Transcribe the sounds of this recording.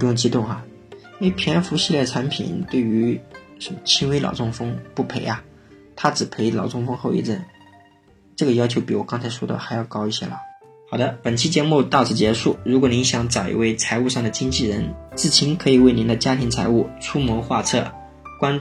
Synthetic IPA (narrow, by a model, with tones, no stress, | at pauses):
u˧˥jʊ˥˩ŋt͡ɕi˥t̪ʊ˥˩ŋxa˩ | e˥ɪpʰjɛ˧˥nfu˧˥ɕi˥˧ljɛ˥˩ʈ͡ʂʰa˧˥npʰḭ˨˩nt̪we˥˩ɪy˧˥ | ʂə˧˥mə˧t͡ɕʰi˥nwe˥ɪlɑ̰˨˩ʊt͡sʰʊ˥˩ŋfɤ˥ŋpu˥˩pʰe˧˥ɪa˧ | t̪ʰa˥ʈ͡ʂɻ̩˨˩pʰe˧˥ɪlɑ˨˩ʊt͡sʊ˥˧ŋfɤ˥ŋxo˥˧ʊḭ˥˧˩ʈ͡ʂə̰˥˩n | ʈ͡ʂɤ˥˩ɡə˩jɑ˥ʊt͡ɕʰjo˧˥pi˧˥wɔ˨˩kɑ˥ŋt͡sʰa˧˥ɪʂwɔ˥d̪ə̰˨xa˧˥ɪjɑ˥˩ʊkɑ˥ʊi˥˩ɕjɛ̰˥lə˨˩ | xɑ˨˩d̪ə˦pə˨˩nt͡ɕʰi˥t͡ɕjɛ˧˥mu˥˧t̪ɑ˥˧ʊt͡sɹ̩˥˩t͡ɕjɛ˧˥ʂu˥˩ɻu˧˥kwɔ˨˩˦ni˧˥ŋɕjɑ˧˥ŋt͡sɑ˨˩ʊʔḭ˥we˥˩ɪt͡sʰa˧˥ɪu˥˧ʂɑ˥˩ŋd̪ə˩t͡ɕi˥ŋt͡ɕi˥˩ɻə˧˥nt͡sɹ̩˥˩t͡ɕʰi˧˥nkʰɤ˧˥i˨˩we˥˩ɪni˧˥nd̪ə˧t͡ɕja˥t̪ʰi˧˥ŋt͡sʰa˧˥ɪu˥˩ʈ͡ʂʰu˥mwɔ˧˥xwa˥˧t͡sʰɤ̰˥˩ | kwa˥n